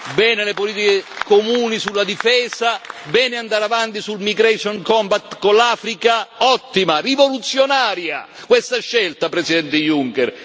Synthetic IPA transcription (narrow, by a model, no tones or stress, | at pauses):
bɛːnelepoliːt̪ikekomuːnisulːad̪ifɛːsabɛːnɪand̪aɾavant̪isulmiɡɾɛsɔnkɔmbat̪ːkonlaːfɾikaɔt̪ːimarivolut̪sːjonaːɾja̰kwest̪aʃːɛlt̪apɾɛsid̪ɛnt̪ɪjuŋkɛr